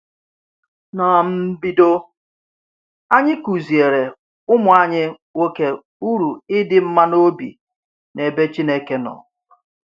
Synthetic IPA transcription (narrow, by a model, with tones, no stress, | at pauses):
na˨m̩˦bi˦do˦ | a˦ɲɪ˦ku˨zi˨e˨ɾe˨ | ʊ˦mʊ˨a˦ɲɪ˦ | wo˦ke˦ | u˦ɾu˨ɪ˦dɪ˦m̩˦ma˦no˦bḭ˨ | ne˨be˦t͡ʃi˦ne˦ke˦nɔ̰˨